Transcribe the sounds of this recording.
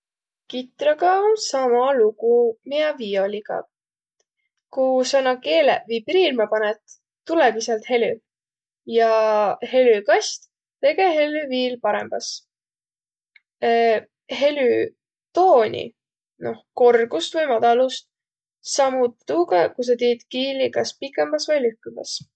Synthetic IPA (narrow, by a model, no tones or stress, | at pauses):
kit̪ɾɑɡɑonsɑmɑluɡ̥umiɑvio̞liɡ̥ɑ̰ | kusɑnɑke̞ːlḛvijpiɾilmɑpɑnɛt̪ | t̪ːulɛɡiselt̪he̞ly | jɑhe̞lykɑst̪ | t̪e̞ɡe̞ɦe̞lyviːlpɑɾemb̥ɑs | he̞ly | t̪o̞ːnʲḭ | no̞̰hko̞rɡust̪vɯjmɑd̪̥ɑlust̪̚ | sɑmut̪ːuːɡɑkus̬ɑt̪iːd̪̥kiːlikɑspikːˑemb̥ɑsvɤjlyhkymɑ̰s